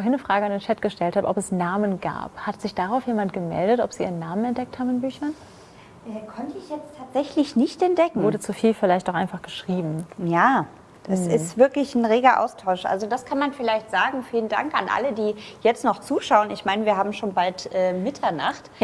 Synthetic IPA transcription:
oɐɦɪnːəfʁ̥aːɡəandeːnt͡ʃʰɛtɡ̥əʃtɛlthaːb̰ʔɔ̰pɛsnaːmənɡa̰ːphatz̥ɪçd̥aʁaʊfjeːmantɡ̥əmɛ̰ldətɔpz̥iːiːʁənːaːmənɛntd̥ɛk̚thaːbmɪnbyːçɐn | ʔɛːkʰɔntəɪçjɛt͡stʰːaːtz̥ɛçlɪçnɪçtɛnt̚d̥ɛkŋ̩oːdət͡sufiːlfɪlaɪçtaʊxʔa̰ɪnfaχɡ̥əʃʁ̥iːbm̩jaː | ɛssɪstv̥ɪɐklɪçn̩ʁeːɡɐʔa̰ʊstʰaʊʃʔa̰lzodaskʰanmanfɪlaɪçtz̥aːɡŋ̩fiːlənda̰ŋka̰nʔa̰lədiːjɛt͡stnɔχt͡suːʃaʊənɪçmaɪnəviːɐɦaːbm̩ʃoːnbaltʔɛːmɪtʰɐna̰χt

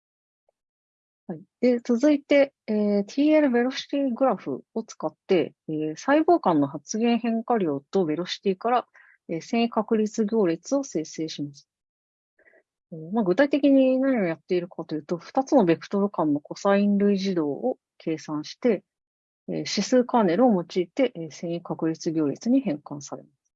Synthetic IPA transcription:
haid̪̥e̞t͡sɨzɨit̪e̞ː | t̪ʲʰiːeɾɯ̟be̞ɾo̞ɕi̥t̪ʲiːɡɯ̟ɾaɸɯ̟̰o̞t͡sɨ̥kat̪ːe̞eːsaibo̞ːkãnːo̞hat͡sɨɡẽ̞ɰ̃hẽ̞ŋkaɾʲo̞ːt̪o̞be̞ɾo̞ɕi̥t̪ʲiːkaɾa | eːsẽ̞ɰ̃kakɯ̟ɾʲit͡sɨɡʲo̞ːɾʲit͡sɨo̞se̞ːse̞ːɕimasɨ̥ | eːmaɡɯ̟t̪ait̪e̞kʲiɲ̟inaɲ̟iojat̪ːe̞iɾɯ̟kat̪o̞jɯ̟ːt̪o̞ɸɯ̥t̪at͡sɨno̞be̞kɯ̟̥t̪o̞ɾɯ̟kãnːo̞ko̞saĩnɾɯ̟iʑid̪o̞ːo | kʰe̞ːsãɰ̃ɕi̥t̪e̞̰ː | ɕisɨːkaːne̞ɾɯ̟o̞mo̞t͡ɕiːt̪e̞ʔsẽ̞ɰ̃ikakɯ̟ɾʲit͡sɨɡʲo̞ːɾʲit͡sɨɲ̟ihẽ̞ŋkãɰ̃saɾe̞̰masɨ̥

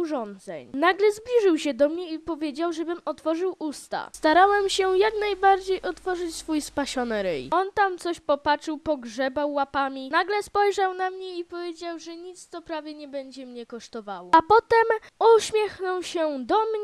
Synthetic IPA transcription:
uʐɔnd̪zɛ̰ɲnaɡlɛzblʲiʐɘwɕɛd̪ɔmɲɛipɔvʲjed͡ʑawʐɛbɘmɔt̪fɔʐɘwʔust̪a̰st̪aɾawɛmɕɛjaknajbaɾd͡ʑejʔɔt̪fɔʐɘt͡ɕsfujspaɕɔnɘɾɛ̰jɔnt̪amt̪sɔɕpɔpat͡ʂɘwpɔɡʐɛbawːapamʲinaɡlɛspɔjʐawnamɲɛipɔvʲjed͡ʑawʐɛɲit̪st̪ɔpɾavʲjɛɲɛbɛɲd͡ʑɛmɲɛkɔʂt̪ɔvawɔapɔt̪ɛmuɕmʲjɛxnɔwɕɛd̪ɔmɲɛ

